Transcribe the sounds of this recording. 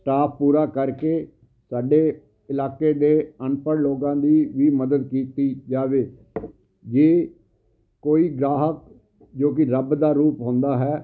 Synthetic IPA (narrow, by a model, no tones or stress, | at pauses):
sʈaːppuːɾaːkəɾkeː | saːɖeː | ɪlaːkeːd̪eːənpəɽloːɡãːd̪iːʋiːməd̪əd̪̚kiːt̪iːd͡ʒaːʋeː | d͡ʒeː | koːiːɡɾaːɦək̚ | d͡ʒoːk̬ɪɾəbd̪aːɾuːpɦõːnd̪aːɦɛː